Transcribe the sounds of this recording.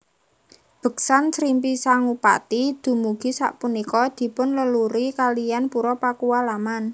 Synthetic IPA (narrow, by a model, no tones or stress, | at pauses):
b̥ə̤k̚sansɾimpisaŋupa̰t̪id̪̥ṳmuɡ̥i̤sa̰ʔpunikɔd̪̥i̤pʊnləluɾikalijanpuɾɔpakuwalaman